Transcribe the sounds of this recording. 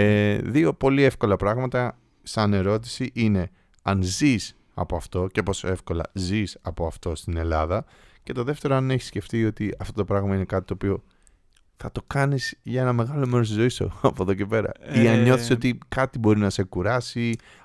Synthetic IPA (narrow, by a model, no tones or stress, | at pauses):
eðio̞po̞lie̞fko̞lɐpɾɐɣmɐt̪ɐ | sɐne̞ɾo̞t̪̬i̥siʔine̞ | ɐnzis | ɐ̰po̞ɐft̪o̞ce̞po̞soe̞fko̞lɐ̰zisɐpo̞ɐft̪o̞st̪ine̞lɐðɐ | ce̞t̪o̞ðe̞ft̪e̞ɾoɐneçi̥sce̞ft̪io̞t̪iɐft̪o̞t̪o̞pɾɐɣmɐine̞kɐt̪i̥t̪o̞ːpio̞ | θɐt̪o̞kɐniz̥ʝɐe̞nɐme̞ɣɐlo̞me̞ɾost̪izo̞iso̰ɐpoðo̞cepe̞ɾɐ̰iɐnɲo̞θseo̞t̪ikɐt̪ibo̞ɾinɐse̞kuɾɐsi